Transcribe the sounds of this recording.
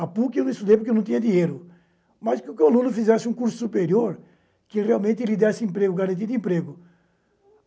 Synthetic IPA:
apuknũist̪ud̪ejp̬ʊɾkewnɐ̃t̪ĩɲɐd̪iɲejɾʊ | maskɪʊkɪalũnʊfizɛsɪũkuɾsʊ̥supeɾioɾ | kɪrealmẽnt̪ɪlid̪ɛsɪẽmpɾeɡʊɡaɾɐ̃nt̪iɐd̪ɪẽmpɾeɡʊ

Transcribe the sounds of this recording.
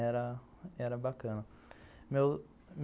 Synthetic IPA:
ɛɾɐ | ɛɾɐbakɐ̃nɐ | me | m

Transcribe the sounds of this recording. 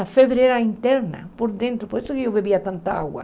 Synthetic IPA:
afeβɾeɾaint̪ɛɾnɐ̰poɾd̪ẽnt̪ɾʊpoist̪ʊkeewβeβiat̪ãnt̪aa̰ɣwa̰

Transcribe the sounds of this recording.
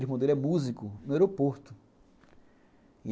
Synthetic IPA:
espõd̪eɾɛmuzikʊnʊeɾopoɾt̪ʊ | i

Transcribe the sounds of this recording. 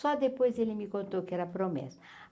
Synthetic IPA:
ɔd̪epojzelɪmɪkõnt̪owkɪɛɾɐpɾomḛsʊ̥

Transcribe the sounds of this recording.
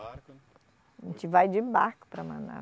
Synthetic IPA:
ẽt͡ʃɪvajd͡ʒɪbaɾkʊ̥pɾɐmɐ̃na̰

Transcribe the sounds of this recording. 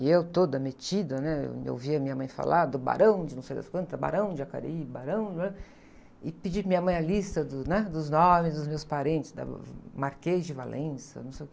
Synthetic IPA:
ɪewt̪od̪ɐmet͡ʃid̪ɐnɛḛḛwviɐmĩɲɐmɐ̃j̃fa̰lʔad̪ʊba̰ɾɐ̃w̃d͡ʒɪnɐ̃w̃sejd̪a̰skwɐ̃nt̪ɐba̰ɾɐ̃w̃d͡ʒɪaka̰ɾibaɾɐ̃w̃d͡ʒɪbaɾɐ̃ | ɪpɪd͡ʒimĩɲɐmɐ̃j̃ɐlist̪ɐd̪ʊnɛd̪ʊznõmɪzd̪ʊzmewspaɾẽnt͡ʃ̪ɪsd̪ɐ̰maɾkezd͡ʒɪva̰lʔẽsɐ̰nɐ̃w̃sejke

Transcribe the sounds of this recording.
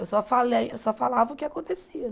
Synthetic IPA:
ewsɔfalejewsɔfalavɐʊkɪakõnt̪esiɐ

